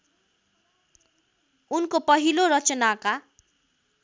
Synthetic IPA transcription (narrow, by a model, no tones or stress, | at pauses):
unkopʌɦiloɾʌt͡sʌnaka